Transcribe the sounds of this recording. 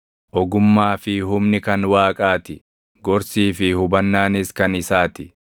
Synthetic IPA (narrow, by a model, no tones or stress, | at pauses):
ʔɔɡʊmːaːfɪɦʊmnɪkɐnwaːkʼaːt̪ɪ | ɡɔɾsiːfɪhʊbɐnːaːnɪskɐnɪsaːt̪ɪ